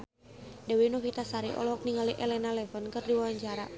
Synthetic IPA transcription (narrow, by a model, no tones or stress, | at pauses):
dawinokit̪asaɾiʔɔ̰lɔk̚niŋaliʔɛlɛnalɛfənkɨrdiwawaɲd͡ʒaɾa̰